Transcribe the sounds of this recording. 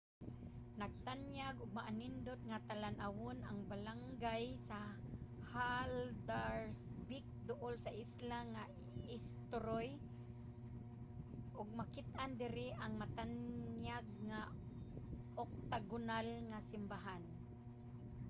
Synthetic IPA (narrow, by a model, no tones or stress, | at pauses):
naɡ̚t̪anjaɡʊɡ̚maʔanɪnd̪ʊt̪ŋat̪alanʔawʊnaŋbalaŋɡajsa | hald̪aɾsbɪk̚d̪ʊʔolsaʔɪslaŋa | ɪst̪ʊɾoj | ʔʊɡ̚makɪt̪ʔand̪ɪɾɪʔaŋmat̪anjaɡ̚ŋa | ok̚t̪aɡʊnalŋasɪmbaɦan